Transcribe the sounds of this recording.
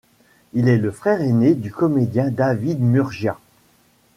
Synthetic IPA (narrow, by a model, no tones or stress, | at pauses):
ilɛləfχɛʁened̪ykɔmed̪jɛ̃d̪avid̪myʁʒja